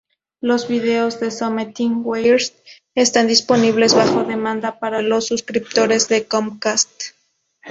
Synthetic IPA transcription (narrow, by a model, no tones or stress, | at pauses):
lo̞zβiðe̞ozðe̞somet̪iŋwejɾs | est̪and̪ispo̞niβle̞zβaxo̞ðe̞mãnd̪apaɾalo̞sːuskɾip̚t̪o̞ɾe̞zðe̞komkast̪